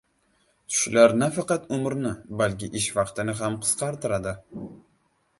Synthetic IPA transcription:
ʃʊlaɾnafɑqɑt̪ʊmɾnɪbalkʲɪʔɪʃvɑqt̪ɪnɪɦamqʰɨ̥z̥qʰɑɾt̪ɪɾad̪ɪ

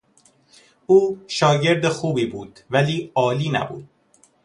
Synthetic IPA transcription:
uːʃɒːɟe̞ɾd̪exuːbiːbuːd̪̥væliːɒːliːnæ̰bṵːd̪̥̚

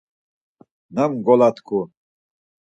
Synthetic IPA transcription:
namɡɔlat̪ʰkʰu

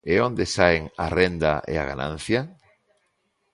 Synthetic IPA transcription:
eond̪esaeŋarend̪aʔḛa̰ɣa̰nã̰n̟θja

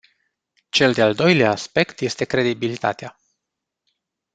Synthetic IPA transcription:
t͡ʃe̞ld̪eald̪o̞jleaːspe̞kt̪je̞st̪e̞kɾe̞d̪ibilit̪a̰t̪ea

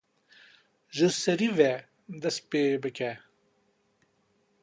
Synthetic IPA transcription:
ʒəsɐɾive | d̪ɐspeːbəkʰɛ

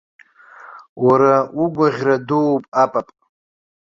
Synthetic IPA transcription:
waɾauɡʷaʁʲradowpʼapʼapʼ

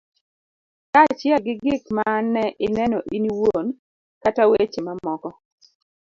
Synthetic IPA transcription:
kat͡ʃjɛɡɪɡɪkmanːɛʔɪnɛnɔʔiniwon | katawet͡ʃɪmamɔkɔ

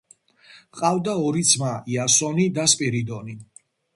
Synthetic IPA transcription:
qʼavd̪aɔɾit̪sʰmaiasɔnid̪aspʼiɾid̪ɔni

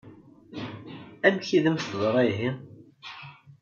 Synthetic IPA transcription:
æmçiðəmst̪ðˤɾˤiɦi

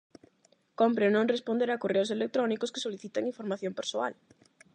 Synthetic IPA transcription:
kompɾenõŋrespond̪eɾakoreoselek̚t̪ɾɔnikoske̥soliθit̪eŋiɱfoɾmaθjõmpeɾsoa̰l

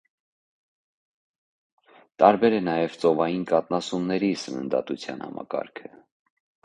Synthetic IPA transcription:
t̪ɑɾbɛɾɛnɑjɛvt͡sɔvɑjinkɑt̪̚nɑsumnɛɾisənə̰nd̪ɑ̰t̪ut͡sʰjɑ̰nhɑ̰mɑ̰kɑ̰ɾkʰə

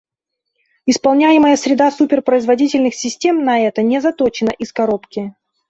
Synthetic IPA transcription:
ɪspɐlˠnʲæjɪməjəsɾʲɪd̪asupʲɪrpɾəɪzvɐdʲitʲɪlʲnɨxsʲɪsʲtʲe̞mnɐɛt̪ənʲɪzɐt̪ot͡ɕɪnəʔɪskɐɾopkʲɪ

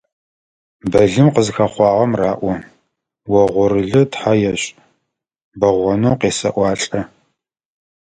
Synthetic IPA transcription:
bɐɮɨmqəzxɐχʷɑːʁɐmraːʔʷɔ | wɐʁʷɔɾɨɮɨtħajɛɕʼ | bɐʁʷɔnoːqeːsɐ̰ʔʷɑːɬʼɐ

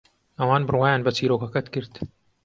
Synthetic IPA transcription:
ɐwɑːnbɨrwaːjaːnbɐt͡siːɾoːkɐkɐt̪kɨɾt̪

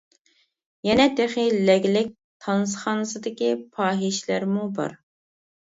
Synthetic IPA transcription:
jɛnɛd̪eχilːɛɡʲlɪk̚ʲ | t̪ʰɑnɨsχɑːnɨsɨd̪ɪkʲipʰɑːɦiʃlæɾmubɑ̰ɾ

